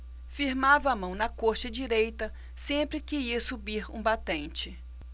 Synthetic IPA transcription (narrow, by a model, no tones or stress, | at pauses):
fiɾmavɐːmɐ̃w̃nɐkoɾt͡ʃɪd͡ʒiɾejt̪ɐ | sẽpɾɪkɪiɐsubiɾũbat̪ẽnt͡ʃɪ